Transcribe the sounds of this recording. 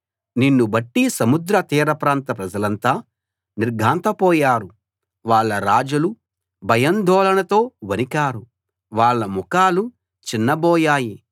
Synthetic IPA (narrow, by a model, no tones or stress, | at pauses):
ninːubɐʈːisɐmud̪ɾɐt̪iːɾɐpɾaːnt̪ɐpɾɐd͡ʒɐlɐnt̪aː | niɾɡʱaːnt̪ɐpɔːjaːɾu | ʋaːɭːɐɾaːd͡ʒulu | bʱɐjɐnd̪ʱɔːlɐɳɐt̪o̞ːʋɐnikaːɾu | ʋaːɭːɐmɔkaːlu | t͡ʃinːɐbɔːjaːji